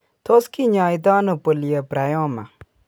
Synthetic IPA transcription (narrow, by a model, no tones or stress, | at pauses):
t̪ʰoskiɲãːit̪̬aːnopəlijəpɾajɔ̃ːma̰